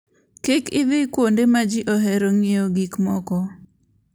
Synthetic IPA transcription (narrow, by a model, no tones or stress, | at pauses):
kɪkɪðɪkwondemad͡ʒiʔoɦɛɾoŋɪjoɡikmɔkɔ